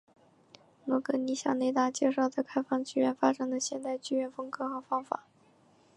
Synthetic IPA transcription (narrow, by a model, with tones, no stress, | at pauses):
nwɔ˧˥kɤ˧˥ni˧˥ɕjɑ̰˨˩ne˥˧ɪt̪a˥˩t͡ɕjɛ˥˧ʂɑ˥˧ʊt͡sa˥˧ɪkʰa˥ɪfɑ˥˧ŋt͡ɕy˥ɥɛ˥˩nfa˥ʈ͡ʂa˨˩ŋd̪ə˨˩ɕjɛ˥˧nt̪a˥˧ɪt͡ɕy˥ɥɛ˥˩nfɤ˥ŋkʰɤ˥xɤ˧˥fɑ˥ŋfa̰˨˩˦